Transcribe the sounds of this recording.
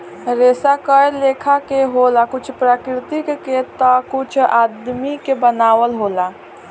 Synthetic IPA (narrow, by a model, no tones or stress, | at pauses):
ɾeːsakəjleːkʰakeɦolakʊt͡ʃʰpɾakɾɪt̪ikket̪ɔkʊt͡ʃʰaːd̪mikebənaːwəlɦoːla